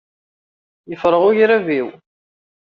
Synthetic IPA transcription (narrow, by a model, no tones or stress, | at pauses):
jəfɾˤəʁʊjɾæviw